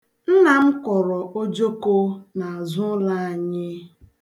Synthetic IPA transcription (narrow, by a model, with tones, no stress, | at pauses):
n̩˦na˨m̩˦kɔ˨ɾɔ˨ʔo˦d͡ʒo˦ko˦na˨a˨zʊ˦la˦a˨ɲɪ˦